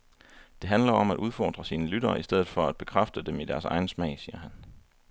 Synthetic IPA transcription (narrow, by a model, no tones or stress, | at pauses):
d̥e̝ɦænlɐɒ̽mædʔuð̞ˠfɒːd̥ʁɐsiːnəlyɾɐːʔisd̥eð̞̰̩ˠfɒ̽æd̥̚b̥e̝kʰʁafd̥əd̥emid̥æɐsɑ̈ɪn̩smɛ̰ɪsiːɐɦæn